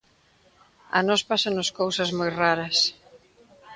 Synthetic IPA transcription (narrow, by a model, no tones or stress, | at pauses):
ɐ̰nɔspasanʊskowsɐzmojraɾɐs